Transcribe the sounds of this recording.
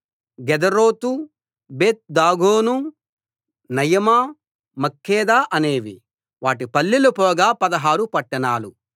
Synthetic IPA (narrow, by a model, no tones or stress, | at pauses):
ɡɛd̪ɐɾoːt̪u | beːt̪̚d̪aːɡoːnu | nɐjɐmaː | mɐkːɛːd̪aːʔɐneːʋi | ʋaːʈipɐlːilɐpɔːɡaːpɐd̪ɐɦaːɾupɐʈːɐnaːlu